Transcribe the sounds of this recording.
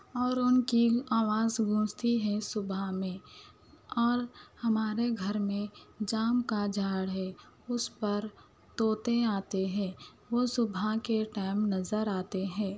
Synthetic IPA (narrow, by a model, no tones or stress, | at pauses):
ɔːɾʊnkiaːʋaːzɡũːst̪iɦɛ̃sʊbʱamẽ | ɔːɾhɐmaːɾeɡʱɐɾmẽd͡ʒaːmkad͡ʒʱaːɽɦɛ | ʊspəɾ | t̪oːt̪eaːt̪eɦɛ̃ː | ʋoːsʊbʱakeʈaːɪmnɐzəɾaːt̪eɦɛ̃ː